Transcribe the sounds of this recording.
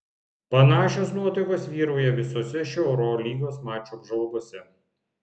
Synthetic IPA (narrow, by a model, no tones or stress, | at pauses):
pɐnɑːʃʲoːsnuɔt̪ʲɐkoːsʋʲiːɾoːjɛʋʲɪsosʲɛʃʲɛʊɾoːlʲiːɡoːsmɑːt͡ʃʲubʒɐʊɡoːsʲɛ